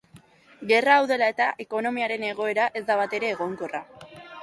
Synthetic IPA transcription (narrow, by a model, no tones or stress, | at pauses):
ɡe̞raːwðe̞lae̞t̪aʔe̞ko̞no̞miaɾe̞ne̞ɣ̞o̞e̞ɾaʔe̞zd̪aβat̪e̞ɾe̞ːɣ̞o̞ŋko̞ra